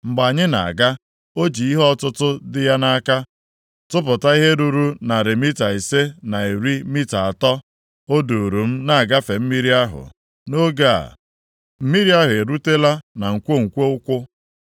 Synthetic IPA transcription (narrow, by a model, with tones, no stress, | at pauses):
ŋ͡m̩˨ɡ͡ba˨ɲɪ˦na̰˨a̰˨ɡa˦ | o˦d͡ʒi˨i˦ɦɔ˦tʊ˦tʊ˦dɪ˦ja˦na˦ka˦ | tʊ˦pʊ˨ta˦i˦ɦe˦ɾu˨ɾu˦na˨ɾɪ˨mi˦ta˨i˨se˦na˨e˨ɾi˦mi˦ta˨a˨tɔ˦ | o˦du˨ɾu˨m̩˦na˦a˨ɡa˦fe˨m̩˦mi˦ɾi˦a˦ɦʊ̰˨ | no˦ɡa˦a̰˨ | m̩˦mi˦ɾi˦a˦ɦʊ˨e˨ɾu˦te˦la˦na˨ŋ̩˨kʷo˦ŋ̩˨kʷo˦ʊ˦kʷʊ˦